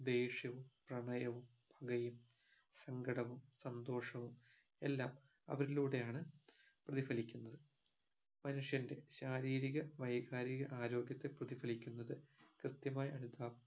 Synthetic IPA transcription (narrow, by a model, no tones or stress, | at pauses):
d̪e̞ːʂjɐʋumprɐɳɐjɐʋum | bʱɐɡɐjum | sɐŋɡɐɽɐʋumsɐnd̪o̞ːʂɐʋum | e̞lːaːm | ɐ̰ʋɐɾiluːɽe̞jaːɳɨ | prɐðifɐlikʲːunːɐðɨ | mɐnuʂjɐnde̞ɕaːɾiːɾiɣɐʋɐjɡaːɾiɣɐʔaːɾo̞ːɡjɐt̪ːeprɐðifɐlikʲːunːɐðɨkrɨt̪jɐmaːjɐɽit̪ːaːʋ